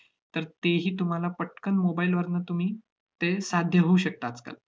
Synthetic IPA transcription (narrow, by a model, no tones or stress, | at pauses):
t̪əɾt̪eɦiːt̪um̤alapəʈ̚kənmobailʋəɾnət̪um̤iː | t̪esad̪ʱjəɦouɕək̚t̪aːt͡ska̰l